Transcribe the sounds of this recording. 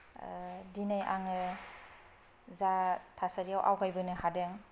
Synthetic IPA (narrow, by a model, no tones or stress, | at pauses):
dinajʔa̰ŋɯ | zatʰasaɾijawʔa̰wɡajbɯnɯhadɯŋ